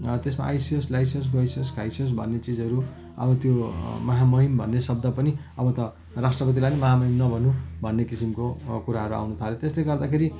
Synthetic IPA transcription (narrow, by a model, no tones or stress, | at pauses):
t̪esma̰ʔajsioslajsʌns̬ɡʌjsʌnskajsios̬bʱʌ̰nːet͡sid͡zʌɾu | ʌ̰bʌt̪jomʌɦamʌɦimbʱʌnːesʌb̚d̪ʌpʌniʌbʌt̪ʌ | rasʈrʌpʌt̪̬ilajnemʌɦamʌɦimnʌbʱʌnubʱʌnːekisimkokuɾaɦʌɾua̰wnut̪ʰalet̪esleɡʌrd̪akʰeɾi